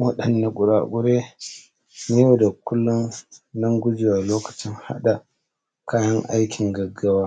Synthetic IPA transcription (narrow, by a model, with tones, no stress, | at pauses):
wɐ˦ɗɐ˨nːa˨kʷʼʊ˨ɾa̰ː˨kʷʼʊ˦ɾeː˦ | ne˦o˦da˨kʊ˦lːʊ˦nnɐ˦ŋɡʷʊ˦d͡ʒi˨wa˨loː˦kɐ̥˨t͡ʃɪ˦ŋha̰˦ɗa˨ | kaː˦jɐ˦ŋʔa˦jkʲʰɪ˨ŋɡɐ˨ɡa˦waː˦